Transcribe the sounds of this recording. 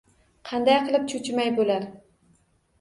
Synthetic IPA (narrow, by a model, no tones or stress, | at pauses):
qʰɑnd̪ajqʰɨlˠɪp̚t͡ʃʰʊt͡ʃmajbolaɾ